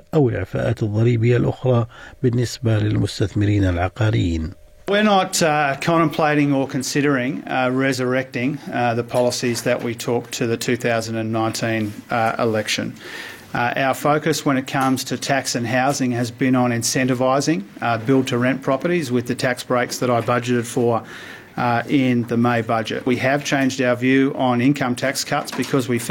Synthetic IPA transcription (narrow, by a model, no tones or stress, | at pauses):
ʔawɪlʕɪfa̰ːʔaːt̪ɨðˤːɑɾiːbɪjːalʔʊ̰xɾˤɑbɪnːɪsbalɪlmʊst̪aθmɪɾiːnalʕɑqɑːɾɪjiːn | wɪɹnət̚kʰɑ̃nɾ̃ə̃mpʰl̥eɪɾɪ̃ŋə˞kʰɨ̃nsɪɾə˞ɪ̃ŋɹɛzə˞ɛk̚tɪ̃ŋðɨpʰɑlˠəsizðɨʔwʔitʰɔk̚tʰɨðɨtʰʉθaʊzɨ̃n̩dɨ̃nːãɪ̃ntʰĩnɪ̰lɛkʃɨ̰̃n | ʔa̰ʊə˞foʊkɨswə̃ñɨt̚kʰʌ̃mz̥tʰɨtʰæksɨ̃nɦaʊzɪ̃ŋɨzbɨ̃nə̃nɨ̃nsɛ̃ntɨvaɪzɪ̃ŋbɪlˠd̚tʰɨɹɛ̃npʰɹ̥ɑpə˞ɾizwɨðɨtʰæksb̥ɹeɪksðɨɾaɪbʌd͡ʒɨɾɨd̥fə˞ | ɪ̃nðɨmeɪbʌd͡ʒɨ̰ʔ̚wiɨv̥t͡ʃʰẽɪ̃nd͡ʒdaʊə˞vjʉʔə̃nɪ̃nkʰʌ̃mtʰækskʰʌtsb̥ɨkʰʌzwif